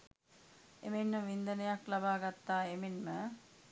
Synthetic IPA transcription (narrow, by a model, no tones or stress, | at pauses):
emenməʋind̪ənəjaklabaːɡat̪ːaːemenmə